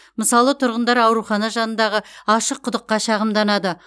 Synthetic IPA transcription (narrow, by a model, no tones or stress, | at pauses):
məsɑlˠət̪ʰʊɾʁənd̪ɑɾɑwɾuχɑnɑʒɑnənd̪ɑʁəɑʃəqʰːʊd̪əqːɑʃɑʁəmd̪ɑnɑd̪ə